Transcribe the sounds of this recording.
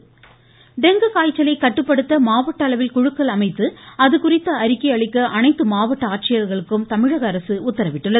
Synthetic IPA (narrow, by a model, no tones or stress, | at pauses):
ɖɛŋɡɯkaːjt͡ʃːɐlɐɪkːɐʈːɯpːɐɽɯt̪ːɐmaːʋɐʈːɐɭɐʋɪlkʊɻɯkːɐɭɐmɐɪt̪ːɯɐðɯkʊrɪt̪ːɐːɾɪkːɐɐɭɪkːɐʔɐnɐɪt̪ːɯmaːʋɐʈːɐaːʈ̚t͡ʃɪjɐɾɣɐɭɯkːɯmt̪ɐmɪɻɐɣɐːɾɐsɯʊt̪ːɐɾɐʋɪʈːɯɭːɐ